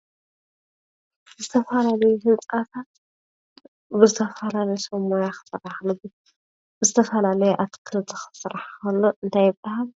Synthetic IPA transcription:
zɨt̪ʰɐfɐlalɐjuhɨnt͡sʼat̪ʰat̪ | bɨzɨt̪ʰɐfɐlalɐjsɐmojaxɨ̥sɨraħlɨb̪i | bɨzɨt̪ʰɐfɐlalɐjuʔat̪kʰɨlt̪ʰɐxɨ̥sɨɾaħkɐlːoʔɨnt̪ʰajɪbʼahal

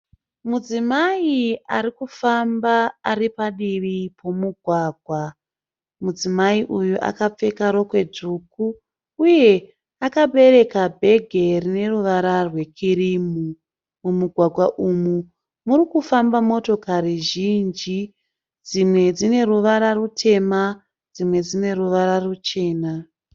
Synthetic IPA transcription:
mud͡zimaiaɾikufambaːripaɗiʋipʰo̞muɡʱwaːɡʱwa | mud͡zimaiʔujuʔa̰kap͡fe̞kaɾo̞kwe̞dʱukuː | je̞ | akaɓe̞ɾe̞kabʱe̞ɡʱe̞rine̞ruʋaɾarwe̞kʰiɾimu | mumuɡʱwaɡʱwaʔumu | muɾikufambamo̞to̞kaɾiʒind͡ʒi | d͡zimwe̞d͡zine̞ruʋaɾarutʰe̞ma | d͡zimwe̞d͡zine̞ɾuʋaɾarut͡ʃe̞ːna

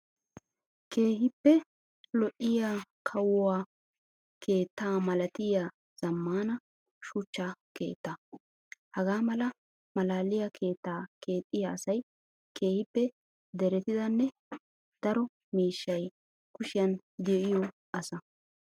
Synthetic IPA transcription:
ke̞ːhɪpːɛ | lɔʔɪjakʰɐwwaː | kʰeːt̪ːaːmɐlɐt̪ɪja | z̥ɐmːaːnɐ | ʃʊt͡ʃːaːke̞̰ːt̪ːɐ | hɐɡaːmɐlɐ | mɐlaːlɪjɐkʰe̞ːt̪ːaːke̞ːt̪ʼːɪjaːsɐj | ke̞ːhɪpːɛ | d̪ɛɾɛt̪ɪd̪ɐnːɛ | d̪̥ɐɾɔ | miːʃːɐj | kʊʃɪjɐn | d̪ɛʔɪjɔ | ɐsɐ

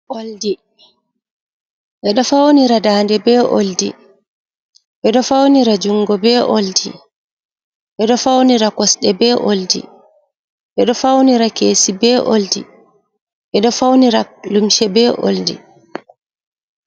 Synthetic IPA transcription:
ʔoldi | ʔɛɗɔfawniɾadaːndɛbɛʔo̰ldḭ | ʔɛɗɔfawniɾad͡ʒuŋɡɔbɛːʔo̰ldḭ | ʔɛɗɔfawniɾakɔsɗɛbɛːʔoldḭ | ʔɛɗɔfawniɾakeːsibɛːʔo̰ldḭ | ʔɛɗɔfawniɾalumʃɛbɛːʔo̰ldḭ

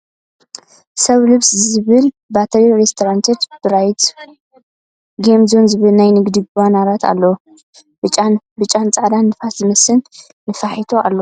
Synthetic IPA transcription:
sɐβlɨβszɨβɨl | bat̪ʰɐɾiɾest̪ʰoɾant̪ʰet̪b̥ɨɾajt̪ | ɡemzonzɨβɨlnajnɨɡd̪iɡβanaɾat̪ʰa̰lːɐ | b̥ɨt͡ʃʼan | bɨt͡ʃʼant͡sʼaʕd̪anːɨfat̪zɨmɐsɨnː | ɨfaħit̪ʰoalːo

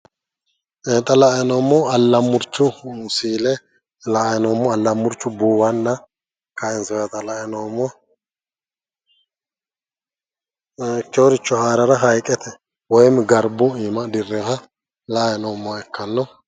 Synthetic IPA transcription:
eːt̪ʼɐlaɛnɔːmːɔɐlːɐmːʊɾt͡ʃːʊsiːlɛ | laɛnɔːmːɔɐlːɐmːʊɾt͡ʃːʊbuːwɐnːɐ | kɐɪnsɔjɐt̪ɐlɐɛnomːɔ | kɛwɾɪt͡ʃːɔhaːɾɐɾɐɦɐjkʼːɛt̪ʰɛ | wɔjmɡɐɾbʊiːmɐd̪ɪrːɛhɐ | lajɛnɔmːɔɛkːɐnːɔ

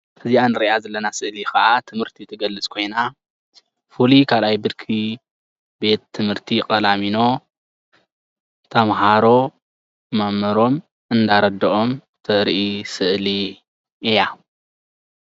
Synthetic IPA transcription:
hʰɨzianɨɾiʔazɐlːɐnasɨʔlixɐʔat̪ʰɨmhɨɾt̪ʰit̪ʰɐɡɐlːɨt͡sʼkʰo̞jna | fulikʰalʔajbɨd̪kʰi | be̞t̪ʰːɨmhɨɾt̪ʰikʼɐlamino̞ | t̪ʰɐmɦaɾo̞ | mamːɐɾo̞m | ɨnd̪aɾɐd̪ːɐʔo̞m | t̪ʰɐɾʔisɨʔli | ʔja

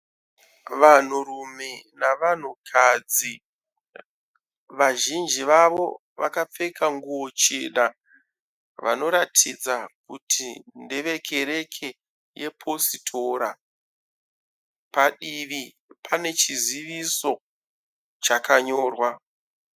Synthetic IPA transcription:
ʋan̤urume̞naʋan̤ukʰad͡zi | ʋaʒind͡ʒiʋaʋo̞̰ | ʋa̰kap͡fe̞kaŋɡuo̞t͡ʃeːɗa | ʋa̰no̞ɾatʰid͡zak̚utʰindeʋe̞kʰe̞ɾe̞kʰe̞ | je̞pʰo̞sitʰoɾa | paɗiʋi | pʰane̞t͡ʃiziʋiso̞ | t͡ʃakaɲoːrwa

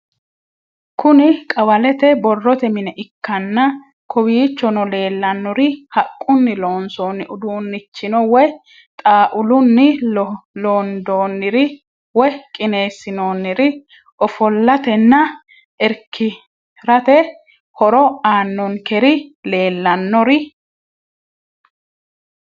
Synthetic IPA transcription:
kʊnɪkʼɐwɐlɛt̪ɛbɔrːɔt̪ɛmɪnɛʔɪkːɐnːɐ | kʰɔwiːt͡ʃːɔnɔle̞ːlːɐnːʊɾɪhɐkʼːʊnːɪloːnsoːnːɪʊd̪uːnːɪt͡ʃːɪnɔwɔj | t̪ʼaːʔʊlʊnːɪ | loːnd̪oːnːɪɾɪ | wɔjkʼɪne̞ːsːɪnoːnːɪɾɪ | ʔɔfɔlːɐt̪ɛnːɐ | ʔɛɾkʰːɪ | ɾɐt̪ɛ | hɔɾɔaːnːɔnkɛɾɪle̞ːlːɐnːɔɾɪ

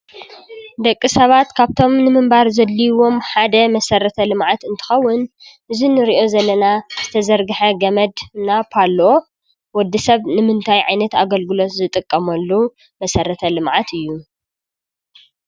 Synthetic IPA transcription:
d̪ɐkʼːisɐβat̪kʰaβt̪ʰo̞mnɨmɨmbaɾzɐlːiwo̞mħad̪ɐmɐsɐɾɐt̪ʰɐlɨmʕat̪ɨnt̪ʰɨ̥xɐwːʊn | ʔɨzinɨɾiʔo̞zɐlːɐnaz̥ɨt̪ʰɐzɐɾɡɨħɐɡɐmɐd̪napʰalo | wɔd̪ːisɐβnɨmɨnt̪ʰajʕajnɐt̪aɡɐlɡɨlo̞t̪zɨt̪ʼɨkʼːɐmɐlːu | mɐsɐɾɐt̪ʰɐlɨmʕat̪ʰɨjːu

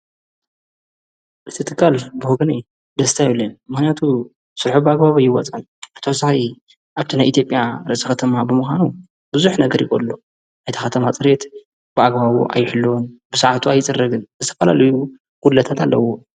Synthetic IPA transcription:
ʔɨt̪ʰɨt̪ʰɨkːalbɨhoɡɐnej | d̪ɐst̪ʰajiβlɐnmɨxnijat̪ʰu | sɨɾħubɨaɡbaβajːɪwɐ̰t͡sʼauʔɨt̪ʰɐwɔsaxi | ʔaβt̪ʰinajʔit̪jo̞pʼjaɾɐsʼɨxɐt̪ʰɐmabɨmuxʷanu | b̥ɨzuħnɐɡɐɾjɪkʼo̰lːo | ajt̪ixɐt̪ʰɐmat͡sʼɨɾet̪ | b̥ɨaɡbaβṵʔa̰jːɪħɨlːoonb̥ɨsaʕat̪ʰuajt͡sʼɨrːɐɡɨnzɨt̪ʰɐ̥fɐla̰lɐju | ɡ̥ullɐt̪ʰat̪ʰalːɐ̰wo

